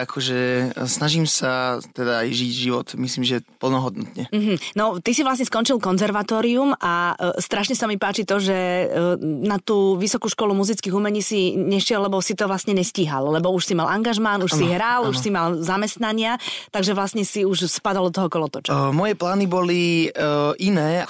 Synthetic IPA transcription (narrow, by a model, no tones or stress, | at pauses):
akʰɔʒɛsnaʒimsat̪ɛd̪a̰ːjʒiɟʒiʋɔ̰t̪misliːmʒɛpl̩nɔɦɔd̪nɔt̪ɲɛm̩ːɦm̩nɔt̪isiʋlas̬ɲɛskɔnt͡ʃilkɔnzɛɾʋat̪ɔːɾiumʔast̪ɾaʃɲɛsamipaːt͡ʃit̪ɔʒɛ | nat̪uːʋisɔkuːʃkɔlumuzit͡skiːɣumɛɲiːsiɲɛʃɪɛlːɛbɔsit̪ɔʋlast̪ɲɛɲɛsciɦallɛbɔuʃsimalʔaŋɡaʒmanuʃsiɦɾaluʃsimalzamɛst̪naɲɪat̪aɡʒɛʋlasɲɛsiuʃspad̪alˠd̪ɔt̪ɔɦɔkɔlɔt̪ɔt͡ʃmɔjɛplaːnibɔli | ʔinɛː